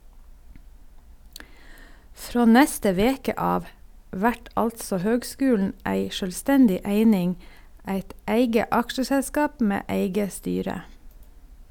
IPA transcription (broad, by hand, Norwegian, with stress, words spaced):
ˈfɾoː ˈnɛstə ˈʋeːkə ˈɑːʋ ˈʋæʈ ˈʔɑltsɔ ˈhøːɡˌskʉːln̩ ˈæɪ ˈʃøːlˌstɛndɪ ˈæɪnɪŋ ˈæɪt ˈeɪɡə ˈɑkʃəʃɛlˌskɑːp ˈmeː ˈeɪɡə ˈstyːɾə